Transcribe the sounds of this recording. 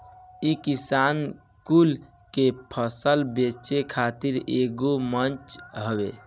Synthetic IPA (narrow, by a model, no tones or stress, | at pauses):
ikisan | kul | kepʰəsəlbet͡ʃekʰat̪iɾeɡomənt͡ʃɦəbe